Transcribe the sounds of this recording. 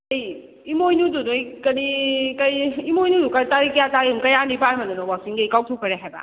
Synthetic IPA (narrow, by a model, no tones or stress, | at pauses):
ej | imojnududujkɐɾikajimojnudukajtaɾikjataumkɐjanipajmandunɔwak̚sinɡajkawtʰokʰaɾeɦajba̰